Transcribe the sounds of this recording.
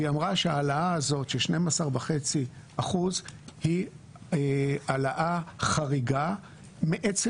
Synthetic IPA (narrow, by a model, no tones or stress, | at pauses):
iamʁaʃeaːlaaːzo̞tʃeʃnemasaʁbaχet͡siaχuzhi | ealaʔaχaʁiɡa | meʔet͡se